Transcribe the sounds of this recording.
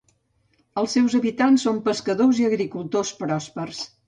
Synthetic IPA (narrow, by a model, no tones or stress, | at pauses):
əlˠsɛwzəβit̪ansːompəskəðoziəɣɾikulˠt̪ospɾɔspərs